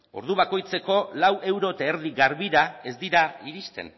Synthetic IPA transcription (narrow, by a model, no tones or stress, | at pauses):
o̞̰ɾðuβ̞ako̞jt͡se̞ko̞lawʔe̞wɾo̞t̪aeɾðiɣaɾβiɾae̞zd̪iɾaiɾist̪e̞̰n